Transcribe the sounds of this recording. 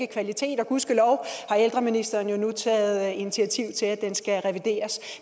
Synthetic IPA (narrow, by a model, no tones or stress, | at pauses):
ɡ̥əkʰʋælit͡sʰe̝̰ːd̥ɒ̽ɡ̥uðˠsɡ̥əlɒʊhɑ̈eld̥ʁɐminisd̥ɐːnjo̝nut͡sʰɛ̰ːð̩ˠinit͡sʰiæt͡sʰiʊ̰t͡sʰe̝lædd̥ensɡ̥æʁɛʋid̥e̝̰ːɐs